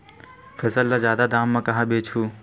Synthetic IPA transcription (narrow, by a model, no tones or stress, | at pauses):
fʰesəlːazjaːd̪ad̪aːmːɐ̃kɐɦãbeːt͡ʃʰuː